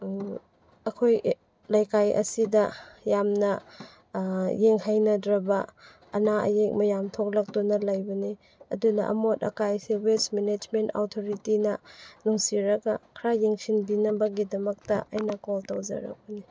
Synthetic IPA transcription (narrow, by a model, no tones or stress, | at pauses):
ɐkʰoj | lajkajʔɐ̰sidɐjamnɐ | jeŋhajnɐdɾɐbɐː | naʔɐ̰jek̚mɐjamtʰok̚lɐk̚dunɐlajbɐni | ɐ̰dunɐ̰ʔɐ̰motɐ̰kajsewesmened͡ʒmentawtʰoɾitinɐnuŋsiɾɐɡakʰɾajeŋsinbinɐbɐɡidɐmɐk̚tɐ̰ʔɐjnakoltawd͡ʒɐ̰ɾɐ̰k̚bɐni